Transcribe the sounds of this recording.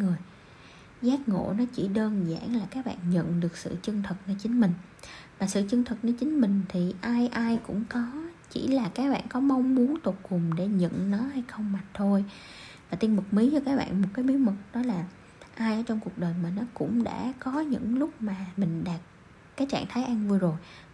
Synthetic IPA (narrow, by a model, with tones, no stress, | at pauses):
ŋɨ˨˩əj | zaː˦˥k̚ŋo̰˧˨nɔ˨˦t͡ɕi˧˩ɗəː˧nza̰ː˧˩ŋlaː˨˩kaː˦˥k̚ɓa̰ː˧˨nɲə̰˧˨nɗɨ˨˩ək̚sɨ̰˧˨t͡ɕɨ˧əŋt̪ʰɨ˨˩k̚nəː˧t͡ɕï˨˦ŋ̟mï˨˩ŋ̟ | maː˨˩sɨ̰˧˨t͡ɕɨ˧əŋt̪ʰɨ˨˩k̚nəː˧t͡ɕï˨˦ŋ̟mï˨˩ŋ̟t̪ʰi˨˩ʔaː˧jʔaː˧jkʊ̰˧˥ŋ͡mkɔ˨˦t͡ɕḭ˧˩laː˨˩kaː˦˥k̚ɓa̰ː˧˨nkɔ˨˦ma˧wŋ͡mmu˨˦ənt̪o˨˩t̚kʊ˨˩ŋ͡mɗe˧˩ɲə̰˧˨nnɔ˨˦ha˧jxə˧wŋ͡mmaː˨˩t̪ʰo˧j | vaː˨˩t̪i˧ənmɨ˨˩k̚mi˨˦zɔ˧˨˦kaː˦˥k̚ɓa̰ː˧˨nmo˨˩t̚kaː˨˦jɓi˨˦mɨ˨˩k̚ɗɔ˨˦laː˨˩ | ʔaː˧jʔəː˧˩˦t͡ɕɔ˧wŋ͡mku˨˩ək̚ɗəː˨˩jmaː˨˩nɔ˨˦kʊ̰˧˥ŋ͡mɗa̰ː˧˥kɔ˨˦ɲɨ̰˧˥ŋlʊ˦˥k͡p̚maː˨˩mï˨˩ŋ̟ɗaː˨˩t̚ | kːaː˨˦jt͡ɕa̰ː˧˨ŋt̪ʰaː˨˦jʔa˧ŋvu˧əjzo˨˩j